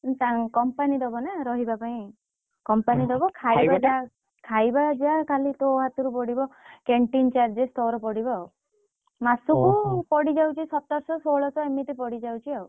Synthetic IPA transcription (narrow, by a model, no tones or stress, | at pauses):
t̪akɔmpanid̪ɔbɔnaɾɔɦibapaĩ | kɔmpanid̪ɔbɔkʰaibad͡ʒa | kʰajbad͡ʒakalit̪ɔɦat̪uɾupɔɽibɔkeɳʈint͡ʃaɾd͡ʒest̪ɔɾɔpɔɽiba | masukupɔɽid͡ʒawt͡ʃʰisɔt̪aɾsɔsoɭɔsɔemiʈipɔɽid͡ʒawt͡ʃʰiaw